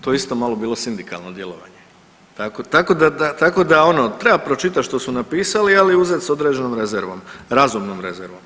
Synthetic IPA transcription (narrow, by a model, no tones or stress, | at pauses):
t̪ojeist̪o̞maːlˠo̞biːlˠo̞sind̪ika̰lˠno̞d̪je̞lˠo̞̰ʋa̰ɲe | t̪akot̪ako̞d̪ad̪at̪ako̞d̪ao̞no̞t̪ɾebapɾo̞t͡ʃit̪̬at̪ʃt̪osunapiːsalialiuzet̪so̞d̪ɾe̞d͡ʒenomɾe̞zeɾʋo̞̰mɾazumnomɾe̞zeɾʋom